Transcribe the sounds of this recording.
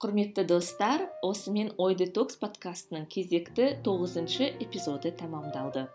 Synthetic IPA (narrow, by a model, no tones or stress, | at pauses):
qʰʊɾme̞t̪ːɪd̪o̞st̪ɑɾwʔo̞səme̞no̞jd̪et̪o̞kspʰo̞t̪kast̪ənəɴkʲʰe̞ze̞kt̪ɪt̪ʰo̞ʁəzənʃəʔe̞pʲizo̞d̪ət̪ʰɑmɑmd̪ɑlˠd̪ə